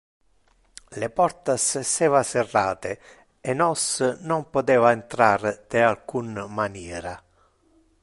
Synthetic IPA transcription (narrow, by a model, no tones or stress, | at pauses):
lepɔɾt̪asesɛːvaserːaːt̪e | enɔsnompot̪ɛːvaent̪ɾard̪̥ealkunmanjɛːɾa